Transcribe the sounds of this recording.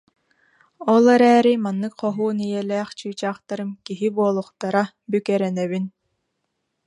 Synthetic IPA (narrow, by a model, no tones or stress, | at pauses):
ɔlˠɛɾɛːɾimanːɯkχɔɦuːnijɛlɛːχt͡ɕyːt͡ɕaːχt̪aɾɯmkiɦibuɔlˠuχt̪aɾa | bykɛɾɛnɛβin